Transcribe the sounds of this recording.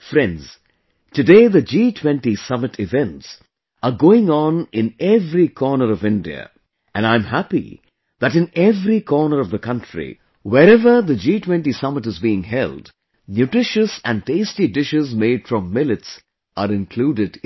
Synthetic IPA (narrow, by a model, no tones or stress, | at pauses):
fɾɛ̃ndz̥ | tɨdeɪðəd͡ʒiːtʰwɛ̃ntisʌmɨtʰɪvɛ̃nts | əɡoːɪ̃ŋɔ̃nɪ̃nɛvɾikʰɔːnəɾʌvɪ̃ndḭə̰ | ʔɨ̃nãɪ̃mɦæpḭ | ðæʈɨ̃nɛvɾikʰɔːnəɾʌvðəkʰʌ̃ntɹḭ | wɛɾɛvə˞ðəd͡ʒitʰwɛ̃ntisʌmɨtɨzbiɪ̃ŋɦɛld | njutɾɪʃəsæ̃nɖteɪstidɪʃɪzmeɪd̥fɾɔ̃mːɪlɨts | əɾɪ̃nkʰl̥uːdɪd